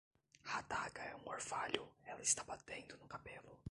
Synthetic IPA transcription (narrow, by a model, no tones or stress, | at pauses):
hat̪aɡɐɛũoɾfaʎʊɛlɐist̪abat̪ẽñd̪ʊnʊkabelʊ